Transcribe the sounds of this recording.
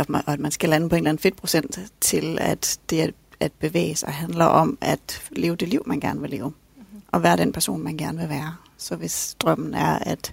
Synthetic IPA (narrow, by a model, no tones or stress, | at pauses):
ɒɒæd̥mænsɡ̥ælænəpʰɒe̝ːnlæn̩fe̝d̥̚pʰʁo̝sen̰d̥t͡sʰe̝læ̰d̥d̥e̝æ | æd̥̚b̥e̝ʋḛːəsɑ̈ɪɦænlɐʔɒ̽mæd̥le̝ːʊəd̥e̝lḭʊ̰mænɡ̥æɐnəʋe̝le̝ːʊ | ʔɒ̽ʋæːɐɾ̥enpʰæɐso̝̰ːnmænɡ̥æɐnəʋe̝ʋæːɐ | sɒ̽ʋe̝sd̥ʁɶm̰n̩æɐæd̥